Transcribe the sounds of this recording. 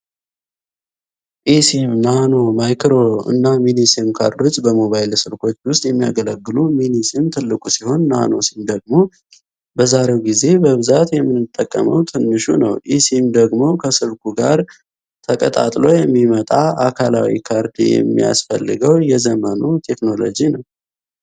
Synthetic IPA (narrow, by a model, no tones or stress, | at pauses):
ʔisimnano̞majkɾo̞ɨ̰nːaminisimkʰaɾd̪ot͡ʃʼbəmo̞βajlsɨɾkʰo̞t͡ʃːwʊst̪ʼjɛmːija̰ɡələɡːɨluminisimt̪ʰɨlːɨkʼusiho̞nːa̰no̞simd̪əɡmo̞ | bəzaɾe̞wɡize̞bəβɨzat̪jɛmːɨnːɨt̪ʼːəkʼːə̰məwt̪ʰɨnːɨʃunə̰wʔisimd̪əɡmo̞kʰəsɨβkuɡaɾ | t̪ʰəkʼət̪ʼa̰t̪ʼlo̞jɛmːimət̪ʼaakʰala̰wḭkʰaɾd̪ijɛ̰mːḭja̰sfə̰lːɨɡəwjɛzəmənut̪ʰe̞kno̞lo̞̰d͡ʒinəw